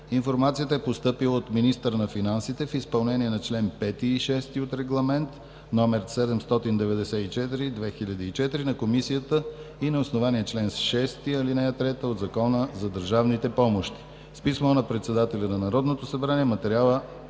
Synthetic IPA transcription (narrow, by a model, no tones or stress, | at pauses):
infoɾmat̪siət̪əɛpost̪ɤpilˠəot̪minist̪əɾənɐfinansit̪ɛfispɐlˠnɛniɛnɐt͡ʃlɛnpɛt̪iːʃɛst̪iot̪ɾɛɡlˠɐmɛnt̪ | nɔmɛɾsɛd̪ɛmst̪ɔt̪ind̪ɛvɛd̪ɛsɛit͡ʃɛt̪iɾid̪vɛxiʎʲəd̪iːt͡ʃɛt̪iɾinɐkomisijət̪əinɐosnovaniɛt͡ʃlɛnsʃɛst̪iɐlinɛjət̪ɾɛt̪əod̪zɐkɔnəzɐd̪əɾʒavnit̪ɛpɔmoʃt̪i̥ | spismonɐpɾɛt̪sɛd̪at̪ɛlʲɐnɐnɐɾɔd̪not̪osəbɾaniɛmɐt̪ɛɾʲalˠə